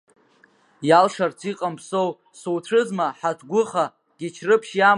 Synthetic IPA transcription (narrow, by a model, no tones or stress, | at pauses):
jalʂart͡sʰiqʼampʰsow | suwtʷʰɨzmaħatʰɡʷʊχa | ɡ̥ʲɪt͡ʃʰrɨpʰʃja